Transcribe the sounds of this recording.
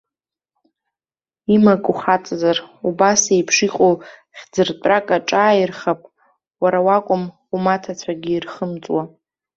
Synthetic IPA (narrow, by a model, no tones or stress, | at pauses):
imakʼuχat͡sʼzarubasejpʰʂiqʼowχʲd͡zɨrtʷʼrakʼaʈ͡ʂʼaːjirχapʼ | waɾawakʷʼʊm | umatʰat͡sʷʰaɡʲɪːrχəmt͡sʼwa